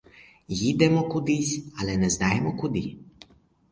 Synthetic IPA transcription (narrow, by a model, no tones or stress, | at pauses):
jid̪ɛmɔkud̪isʲalɛnɛznaːjɛmɔkud̪i